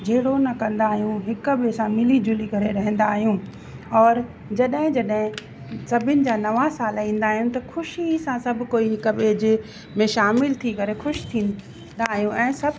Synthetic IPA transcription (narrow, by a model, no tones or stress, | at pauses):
d͡ʑʱeɦɪɽonɐkɐ̃nd̪aːɦijũɦɪkɓɪsãmɪlid͡ʑʊlikɐɾeɾɐɦə̃n̆d̪aːɦijũ | ɔːɾ | d͡ʑɐɗɦɪ̃d͡ʑɐɗɦɪ̃ | sɐbʱɪnɪ̆d͡ʑaːnɐʋasaːlĩːn̆d̪aːɦijũt̪ɐxʊʃisãsɐbʱkoːiɦɪkəɓeːd͡ʑɪ | mẽʃaːmɪlt̪ʰikɐɾexʊʃt̪ʰĩːn | d̪aːɦijũʔɛ̃ːsɐb